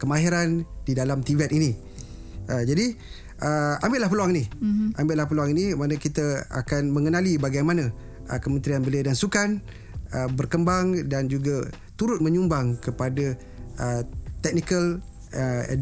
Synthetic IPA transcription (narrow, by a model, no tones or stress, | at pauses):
kəmaɦiɾandidalamt̪ivɛt̪inĩ | ʔəd͡ʒadi | ʔəambɪʔlahpəluaŋiniambeʔlahpəluaŋinimanə̃kit̪əa̰kanmə̃ŋənãlibaɡajmanã | əkəmə̃nt̪ɾianbəliadansukan | əbərkəmbaŋdand͡ʒuɡa | t̪uɾʊt̪̚mə̃ɲumbaŋkəpada | ət̪ɛk̚nikəl | ə̰